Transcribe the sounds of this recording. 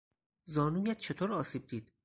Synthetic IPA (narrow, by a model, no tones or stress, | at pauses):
zɒːnuːjæt̪̚t͡ʃʰe̞t̪ʰoːɾɒːsiːb̚d̪iːd̪̥